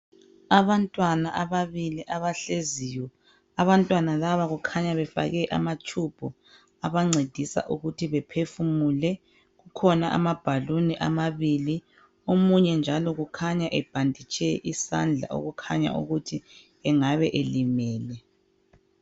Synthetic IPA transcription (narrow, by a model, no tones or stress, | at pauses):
aβantʼwanaʔaβaβiliʔaβaɬezijɔ | aβantʼwanalaβaɣukʰaɲaβɛfa̰ɣɛʔa̰mat͡ʃʰub̥ʱɔ | aβaŋ͡ǀʱed̥ʱisa̰ʔuɣutʰiβɛpʰefumulɛ | ɣukʰɔnaʔa̰mab̥ʱaluniʔa̰maβili | omuɲɛnd͡ʒʱalɔɣukʰaɲaʔɛb̥ʱandʱit͡ʃʰʼɛʔisa̰nd͡ɮʱa̰ʔo̰ɣukʰaɲa̰ʔṵɣutʰi | ɛŋaβɛʔelimɛːlɛ